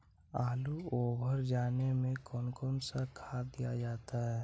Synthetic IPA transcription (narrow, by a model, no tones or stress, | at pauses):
aːluoːbʱəɾd͡ʒaːnemẽkɔːnkɔːnsakʰad̪ija̰d͡ʒaːt̪aɦɛː